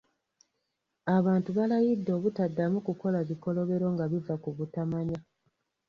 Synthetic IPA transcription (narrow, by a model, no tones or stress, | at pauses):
aβaːntuβalajidːo̞ːβutadːamukuko̞laβiko̞lo̞βe̞ɾo̞ŋɡaβivakuβutamaɲa